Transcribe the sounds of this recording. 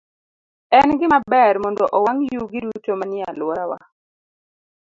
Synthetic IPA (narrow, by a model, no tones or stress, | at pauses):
ɛnɡɪmabɛɾmɔndɔʔɔwaŋjuɡɪdutomanɪa̰lwɔɾawa̰